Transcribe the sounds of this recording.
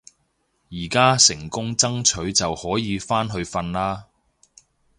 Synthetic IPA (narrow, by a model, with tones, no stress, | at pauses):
jiː˨˩kaː˥sɪ˨˩ŋkʊ˥ŋt͡sɐ˥ŋt͡ʃʰɵ˨˥ɥt͡sɐ˨whɔː˨˥jiː˨˧faː˥nɦɵ˧ɥfɐ˧nlaː˥